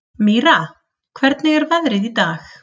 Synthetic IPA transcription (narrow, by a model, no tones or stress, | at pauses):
miɾa | kʰvɛɾt̪nɪɣɛɾvaðɾɪðit̪aːx